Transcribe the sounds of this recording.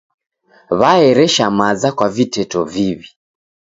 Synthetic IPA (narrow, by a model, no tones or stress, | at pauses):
βaɛɾɛʃamazakwavitɛtɔviβi